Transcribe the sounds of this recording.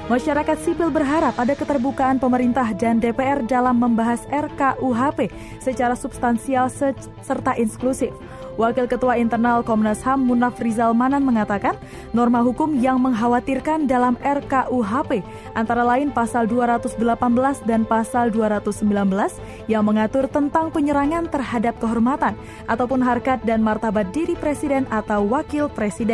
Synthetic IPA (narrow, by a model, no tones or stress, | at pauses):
maʃaɾakat̪̚sipɪlbərɦaɾap̚adakət̪ərbukaʔːnpəməɾint̪ahdandepeɛrdalamːəmbaɦasɛrkaʔuɦape | sət͡ʃaɾasub̥st̪ansial | sərt̪aʔinsklusɪf | wakɪlkət̪uaint̪ərnalkɔmnashamːunafrizalmananməŋat̪akanː | ɔrmaɦukʊmjaŋməŋɦawat̪irkandalamɛrkaʔuɦape | ʔant̪aɾalaɪnpasalduaɾat̪usdəlapanbəlasdanpasalduaɾat̪usːəmbilanbəlas | jaŋməŋat̪ʊrt̪ənt̪aŋpəɲəɾaŋant̪ərhadap̚kəɦɔrmat̪an | ʔat̪awpʊnɦarkat̪̚danmart̪abat̪̚diɾipɾesidɛnʔat̪awwakɪlpɾesidɛn